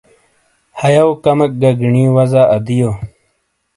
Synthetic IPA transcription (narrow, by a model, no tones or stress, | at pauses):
hɐjɐwkɐmɐk̚ɡɐɡɳĩːwɐzaʔɐd̪ijoː